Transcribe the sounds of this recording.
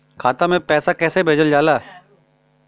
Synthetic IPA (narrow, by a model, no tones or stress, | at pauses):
kʰaːt̪amẽpɛːsakɛːsebʱeːd͡ʒəld͡ʒaːlaɛ